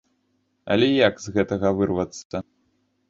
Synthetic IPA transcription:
ɐ̰lʲɛjakzɣɛt̪ɐɣɐvɨrvɐt̪sːɐ

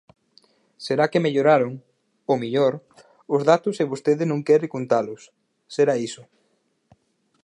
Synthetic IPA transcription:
seɾakemeʎoɾaɾʊŋ | omiʎoɾ | ʊzðat̪ʊsɪβost̪eðɪnõŋkɛɾɪkont̪alʊsː | eɾaisʊ

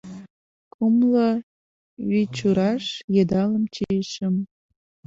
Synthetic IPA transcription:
kʰumlə | βit͡ɕuɾɑʃjed̪ɑləmt͡ɕiʃəm

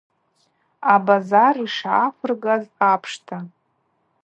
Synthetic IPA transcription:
abazariʂaχʷʰɨrɡazapʰʂtʰa

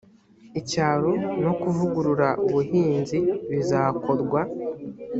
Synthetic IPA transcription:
icaːɾono̞kuvuɡuɾuɾaʔuβuɦiːnziβizaːko̞ɾɡwa

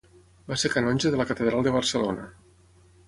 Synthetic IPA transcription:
basekanɔnʲʒəðələkət̪əðɾalˠd̪əβ̞ərsəlo̰nə̰

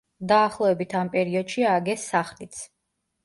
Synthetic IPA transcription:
d̪aːχlˠɔɛbit̪ʰampʼɛɾiɔd̪̥ʃiaɡɛsaχlit̪sʰ

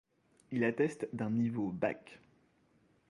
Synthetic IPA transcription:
ilat̪ɛst̪d̪ɛ̃nivoba̰k

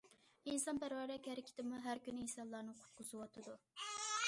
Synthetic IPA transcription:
insɑmbæɾwɛɾɛkʲhæɾɪkʲʰɪ̥t̪ɪmuɦæɾkʲynɪisɑlˠːɑɾnɨqʰʊ̥t̪̚qʰʊzɨwɑt̪ʰɨd̪u

